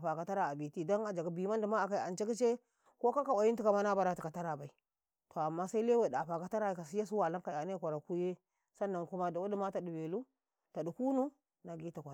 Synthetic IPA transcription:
pa˨ka˨ta˦ɾa˨a˨bi˨ti˦da˦na˨d͡ʒa˨ɡa˦bi˨ma˦n˦di˨ma˦a˨ka˨i˨a˨nt͡ʃe˦ki˦t͡ʃe˦ | ko˦ka˦ka˨wa˨ji˦nti˦ka˨ma˦na˦ba˨ɾa˨ti˨ka˨ta˦ɾa˨ba˨i˨ | to˨a˨mːa˦sa˦i˦le˦we˨da˨ɸa˨ka˨ta˦ɾa˨ka˨si˦ja˦su˦wa˨la˦ŋka˨ja˨ne˦kʷa˨ɾa˨ku˦je˦ | sa˦nːa˨ŋku˦ma˦da˨wu˦di˦ma˦ta˨du˨be˨lu˦ | ta˨du˨ku˦nu˦ | na˨ɡi˦ta˨kʷa˨

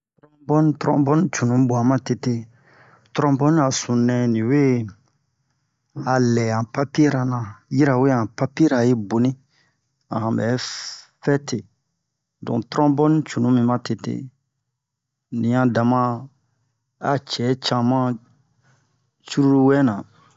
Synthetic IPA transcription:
tɾɔ̃˦bɔ˦n˦tɾɔ̰̃˦bɔ˦nĩ˦t͡ʃu˨nũ˨˦bo˨ã˨˦mã˦te˨te˦ | tɾɔ̃˦bɔ˦n˦a˨sũ˨nɛ̃˦nĩ˨we˦ | a˨lɛ˨ã˨pa˦pi˦ɾa˨nã˨ji˦ɾa˨we˦ã˨pa˦pi˦ɾa˨je˦bo˨nĩ˦ | ã̰˨hã˨bɛ˨˦fɛ˦te˨ | dɔ̰̃˨tɾɔ̃˦bɔ˦nĩ˦t͡ʃu˨nũ˦mĩ˦mã˦te˨tḛ˦ | nĩ˨ã˨dã˨mã˦ | a̰˨t͡ʃɛ˨˦t͡ʃã˧mã˦ | t͡ʃu˦ɾu˦ɾu˦wɛ˦nã˨

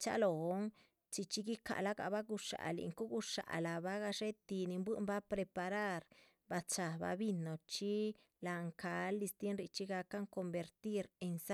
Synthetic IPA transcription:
t͡ʃa̰˦lo˨o˦ŋ | t͡ʃi˧t͡ʃi˦ɡi˦ka̰˨la˦ɡa̰˨ba˦ɡu˧ʂa̰˨lḭ˧ŋko˦ɡu˧ʂa̰˨la˨ba˦ɡa˧ʂe˦t̪i˧ni˧mbwɨ˦mba˦pɾe˧pa˧ɾa˦ɾ | ba˧t͡ʃa˨ba̰˧˦bi˧no˨t͡ʃi˦ | la˧ŋka˨˧lːi˧st̪je˦nɾi˧t͡ʃi˦ɡa˧ka˦ŋko˧mbe˧ɾt̪i˦ɾe˧nsa˦

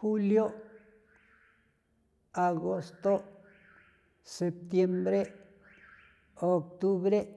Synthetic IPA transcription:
xu˦ljo˦ | a˨ɡo˦st̪o˦ | se˨p̚t̪je˦mbɾe˦ | o˨k̚t̪u˦βɾe˦

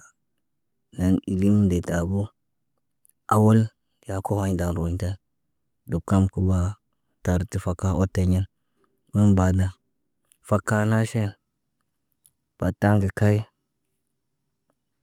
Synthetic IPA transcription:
na˨ni˨li˦m˦de˨ta˨bu˦ | a˨wo˦l | ja˨ko˦ha˨˦ɲda˨nɾo˨ɲ˦ta˦ | du˨b̚ka˦mku˦ba˨ | ta˨ɾti˨fa˨kːa˦o˦te˨ɲe˦n | bu˦nba˨da˨ | fa˦kːa˦na˦ʃe˦n | b̥a˨ta˦ŋɡi˨ka˦i˦

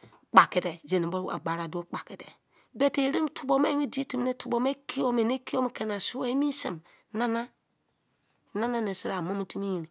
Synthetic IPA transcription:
k͡pa˨ke˨de˨d͡ʒe˨ne˨bo˦ɾu˦a̰˨ɡ͡ba˨ɾa˨do˦k͡pa˨ke˨dḛ˨ | be˨te˨˦ɾi˦m˦tʰu˨bo˦me˦mi˦di˦ti˨m˦ne˦tu˨bo˨me˦kʰi˦o˦me˨ne˦ki˦o˦m˨ke˨na˨su˦e˦i˦mi˦sḭ˨m | na˦na˦˨ | na˦na˦ne˨si˨ɾa˨mo˦mi˦ti˦mi˦ji˨ni˨

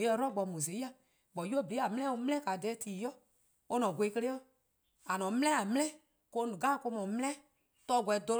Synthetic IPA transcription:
e˨ɛ˧˦ɾɔ˦ɡ͡bɔ˨mũ˨se˨˦a˨ | ɡ͡bɔ˨˦ju˦o˦bə˨li˦a˨mɛ̃˦ɛ̃˦o˧m̃˦ɛ̃˦ka˨dɛː˨˦tiː˨˦jɔ˦ | o˧nɔ̃˨ɡʷe˧˦kə˧le˦ɔ˦ | a˨nɔ̃˨˦m̃˦ɛ̃˦a˨m̃˦lɛ̃˦ | ko˧˦nũ˨ɡa˦˨ko˧˦mɔ̃˨m̃˦ɛ̃˦ | tɔ˧˦˨ɡʷɛ˧˨˦do˧l

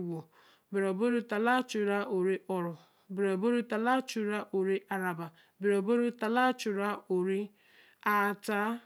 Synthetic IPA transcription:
wo˨ | be˨ɾɔ˨bo˦ɾu˦ta˨la˦t͡ʃu˨ɾa˦o˨ɾi˦ʔɔ˨ɾʊ˨ | be˨ɾɔ˨bo˦ɾu˦ta˨la˦t͡ʃu˦ɾa˦ʔo˨ɾi˦ʔa˦ɾa˨ba˨ | bɪ˨ɾɔ˨bo˦ɾu˦ta˨la˦t͡ʃu˨ɾa˦o˨ɾi˦ | a˦˨ta˦

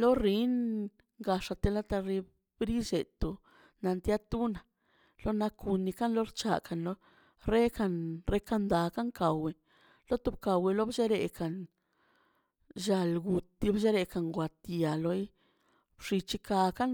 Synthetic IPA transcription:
lo˦ɾi˦n | ŋɡa˧ʂa˧t̪e˧la˦t̪a˧ɾi˧ | bɾi˦ʃe˨t̪u˧ | na˧nt̪ja˦t̪u˦na˨ | lo˦na˧ku˧nːi˧ka˦nlo˦ɾt͡ʃa̰˧ka˨nlo˧ | ɾe˦ka˧nɾe˦ka˧nd̪a˨ka˦ŋka˨we˨ | lo˦t̪u˧b̚ka˨we˧lo˦bd͡ʒe˦ɾe˧ka˨n | ʒa˧lɡu˨˧t̪ːi˧˦bʃe˦ɾe˧ka˨ŋɡwa˨t̪ja˨lo˧˦j | bʂi˧t͡ʃi˦ka˧ka˦n

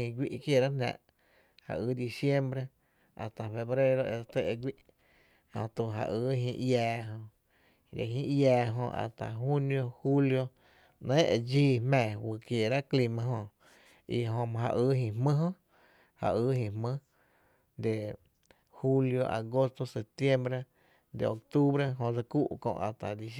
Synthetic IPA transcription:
ĩ˧ɡʷi˦ʔkje˧˨ɾa˦nã̰˧˨ʔ | ha̰˨ʔɨː˧˦d̪i˧sje˦mbɾe˧ | a̰˨st̪a˨fe˧bɾe˦ɾo˧e˧t̪e˧ʔe˧ɡʷi˦ʔ | a̰˧t̪u˧˨ɦa̰˧ʔɨː˧˦ɦĩ˧jaː˧ɦõ˧ | d̪ḛ˨ɦĩ˧ʔjaː˧ɦõ̰˧a̰˨t̪a̰˨ɦu˦njo˧hu˦ljo˧ | nẽ˦e˧d͡ʒiː˦mɛ̃ː˨wɨ˧˨kje˨ɾa˦kli˧mã˧ɦõ˧ | i˧ɦõ˧mã˧ɦa̰˧ʔɨː˦ɦĩ˧˨hmɨ̃˦ɦõ˦ | ha̰˨ʔɨː˦ɦĩ˧hmɨ̃˦ | d̪e˨ | hu˦ljo˧ʔa̰˨ɡo˦st̪o˧se˨p̚t̪je˦mbɾe˦ | d̪ḛ˨o˨k̚t̪u˦bɾe˦ɦõ˧d͡za˧ku˦ʔkõ̰˧ʔa˨t̪a˨d̪i˧s

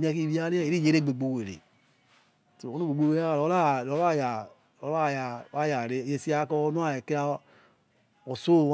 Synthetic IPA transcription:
mĩ˨˦a˧ki˦˨ɾi˦a˦ɾe˦e˨ɾi˦je˨˦ɾe˦˨ɡ͡be˨ɡ͡bo˨we˨ɾḛ˨ | to˨o˦u˦ɡ͡be˨ɡ͡bo˨we˨˦a˦˨ɔ˨˦la˦˨lɔ˨˦a˦˨ja˨ | o˦a˦˨ja˨˦a˦ja˨ɾe˦˨je˨si˦a˨˦kɔ˦nu˦a˦˨ke˦na˧ | ɔ˨so˦˨˦

